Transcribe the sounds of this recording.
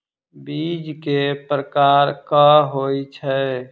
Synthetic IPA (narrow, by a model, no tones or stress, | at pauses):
bid͡ʒkepɾəkaːɾkəɦoit͡ʃʰɛ